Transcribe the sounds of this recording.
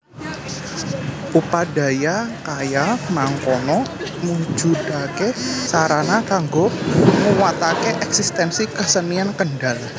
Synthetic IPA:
ʔupada̤jakajamaŋkɔnɔmu̥d͡ʒṳd̪akesaɾanakaŋɡɔŋuwat̪akeʔɛksist̪ɛnsikəsəniankənɖal

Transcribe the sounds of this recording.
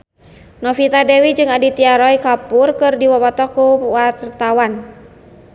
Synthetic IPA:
nɔfit̪adɛwid͡ʒɨŋadit̪iaɾɔikapurkɨrdiwawat̪ɔkuwart̪awan

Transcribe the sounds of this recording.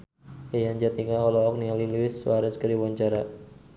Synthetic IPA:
ajaɲd͡ʒat̪iŋaɔlɔɔk̚nialiluwɪsːuaɾaskəɾiwaɲt͡ʃaɾa

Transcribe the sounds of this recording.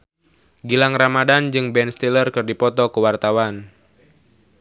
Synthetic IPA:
ɡilaŋramadand͡ʒɨŋbɛnst̪ilərkɨrdipɔt̪ɔkuwart̪awan

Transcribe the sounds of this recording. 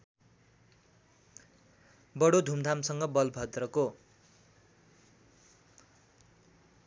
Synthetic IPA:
bʌɽod̪ʱumd̪ʱamsʌŋɡʌbʌlbʱʌd̪rʌko

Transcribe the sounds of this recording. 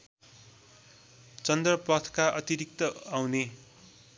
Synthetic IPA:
t͡sʌnd̪rʌpʌt̪ʰkaʔʌt̪iɾik̚t̪ʌawne

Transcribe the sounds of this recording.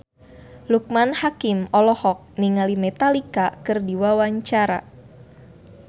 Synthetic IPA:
luk̚manhakɪmɔlɔhɔk̚niŋalimɛt̪alikakɨrdiwawaɲt͡ʃaɾa̰

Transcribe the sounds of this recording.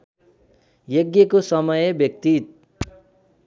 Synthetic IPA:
jʌɡjʌkosʌmʌjʌbjʌk̚t̪it̪̚

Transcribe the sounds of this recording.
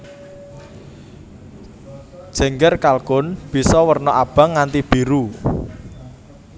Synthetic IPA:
d̥ʒ̥ɛ̤ŋɡərkalkʊnb̥i̤sɔwərnɔʔab̥a̤ŋːant̪ib̥i̤ɾu

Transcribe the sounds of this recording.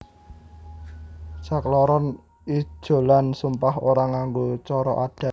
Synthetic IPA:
saklɔɾɔn | i̥ʒ̥o̤lansumpahoɾaŋaŋɡot͡ʃɔɾɔʔad̥a̤

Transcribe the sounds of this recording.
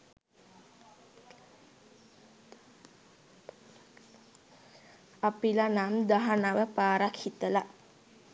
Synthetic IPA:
apilanamd̪aɦanaʋəpaːɾakhit̪əla

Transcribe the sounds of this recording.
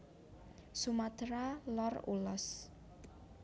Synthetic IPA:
sumat̪ɾalɔrṵlɔs

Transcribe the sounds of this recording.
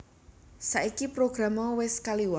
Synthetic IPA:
saʔikipɾoɡ̥ɾamɔwɪskaliwa

